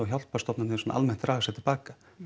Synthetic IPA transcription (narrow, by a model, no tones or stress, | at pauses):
ɔçjawl̥̚past̪ɔpnanɛsɔna̰ʔa̰lmɛn̥t̪ɾaːɣasɛt̪ʰɪlpaːkḁ